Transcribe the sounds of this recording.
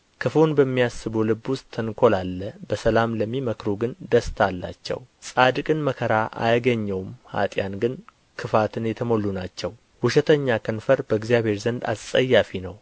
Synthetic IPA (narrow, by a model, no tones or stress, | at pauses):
kʰɨfonbəmːijasːɨbolɨbːwʊst̪ʰːənkʰo̞lalːəbəsəlamləmːiməkɾuɡɨnd̪əst̪ʰalːa̰t͡ʃːɛ̰wsʼad̪ɨkʼɨnməkʰəɾaʔa̰jɡəɲːɛwmha̰t̪ʼjanɡɨn | kʰɨfat̪ʰɨnjɛt̪ʰəmo̞lːunat͡ʃːɛw | hʊʃɛt̪ʰəɲːakʰənfəɾbəɡzijaβhe̞ɾzənd̪a̰ssʼəjːafinəw